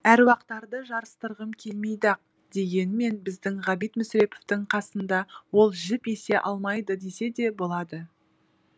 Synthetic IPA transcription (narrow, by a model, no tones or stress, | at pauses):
æɾwɑq̚t̪ɑɾd̪əʒɑɾəst̪əɾʁəmkʲʰe̞lmejd̪ɑq̚ | d̪̥e̞ɡʲe̞nme̞nbɪzd̪ɪŋʁɑbijt̪mʏsɾe̞poft̪ɪŋqʰɑsənd̪ɑwo̞lˠʒɪpe̞se̞ʔɑlˠmɑjd̪əd̪e̞se̞d̪e̞bo̞lˠɑd̪ə